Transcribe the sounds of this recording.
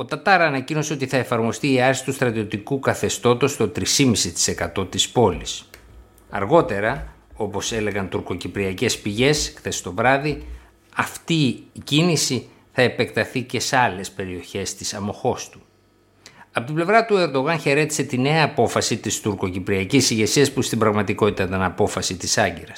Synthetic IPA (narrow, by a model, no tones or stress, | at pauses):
o̞t̪ɐt̪ɐɾɐːnɐcino̞seo̞t̪iθɐe̞fɐɾmo̞st̪iːɐɾsi̥t̪ust̪ɾɐt̪io̞t̪ikukɐθe̞st̪o̞t̪o̞st̪o̞t̪ɾisimisit̪i̥se̞kɐt̪o̞t̪ispo̞lis | ɐ̰ɾɣo̞t̪e̞ɾɐ | o̞po̞se̞le̞ɣɐnt̪uɾko̞cipɾiɐce̞spiʝe̞skθesi̥t̪o̞vɾɐði | ɐft̪iːcinisi | θɐe̞pe̞k̚t̪ɐθice̞sɐle̞spe̞ɾio̞çe̞st̪isɐmo̞xo̞st̪u̥ | ɐpo̞t̪ible̞vɾɐt̪ue̞ɾd̪o̞ɣɐnçe̞ɾe̞t̪i̥se̞t̪ine̞ɐːpo̞fɐsit̪ist̪uɾko̞cipɾiɐcisiʝe̞siɐspust̪imbɾɐɣmɐt̪iko̞t̪it̪ɐt̪ɐnɐpo̞fɐsit̪isɐɲɟeɾɐs